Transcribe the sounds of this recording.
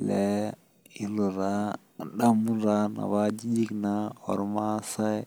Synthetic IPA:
lɛ˦ | i˦lɔ˨ɾa˦ | a˨ɗa˦mu˦nɾa˦na̰˨wa˦d͡ʒi˦d͡ʒi˦knaɔ̰˨ɾma˦sa˦

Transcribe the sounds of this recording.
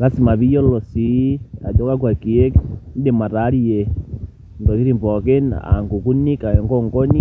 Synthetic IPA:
ka˦si˨ma˨bi˦jɔ˦lɔ˨si˨˦a̰˨dɔ˦ka˦k̬wa˨ki˨ɛ˦kn̩˦dɛ˨ma˨ta˨˦ɾi˦jɛ˨ | ntɔ˨ki˦ɾi˦mbɔ˨ke˦na̰˨ŋɡu˨ku˦ni˦ka˨ɛ˨ŋɡɔ˦ŋɡɔ˦ni˦

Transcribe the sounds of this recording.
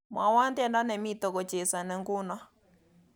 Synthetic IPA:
ma˨wa˦nt̪ɛ˦nda˦nɛ˨mi˦t̪ɔ˨kɔ˨t͡ʃɛ˨sa˨nɛ˨ŋɡu˦na˦

